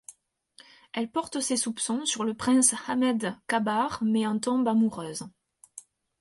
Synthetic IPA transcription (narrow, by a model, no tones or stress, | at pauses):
ɛlpɔʁt̪əsesupsɔ̃syʁləpχɛ̃shamɛd̪kabaʁmɛɑ̃t̪ɔ̃bamuʁøːz